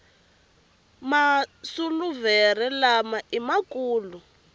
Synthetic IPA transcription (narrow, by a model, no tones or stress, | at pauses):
masuluvɛrɛlamaʔimakuːlu